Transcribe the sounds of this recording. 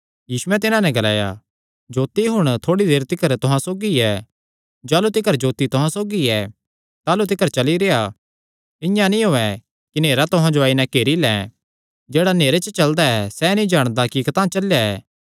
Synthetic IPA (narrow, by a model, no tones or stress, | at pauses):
jiːsʊɛt̪̬ɪnãnɛ̃ɡɐla̰ːja̰ | d͡ʒoːt̪iɦʊɽ̃t̪ʰoːɽid̪eːɾt̪ɪkəɾt̪ʊɦãsoːɡiɛ | d͡ʒaːlut̪ɪkəɾd͡ʒoːt̪it̪ʊɦãsoːɡiɛ | t̪aːlut̪̬ɪkəɾt͡ʃɐliɾeːa | ɪ̃jãnĩɦoːɛ | kineːɾat̪ʊɦãd͡ʒoaːinɛ̃keːɾilɛ̃ː | d͡ʒeːɽaneːɾet͡ʃət͡ʃɐld̪aɛsɛnĩd͡ʒaːɽ̃d̪akikɐt̪ãːt͡ʃɐljaɛ̰ː